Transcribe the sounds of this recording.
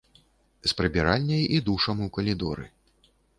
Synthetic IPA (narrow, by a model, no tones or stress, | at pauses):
spɾɨbʲiɾalʲnʲɐjid̪uʂɐmɨwkɐlʲid̪ɔɾɨ̰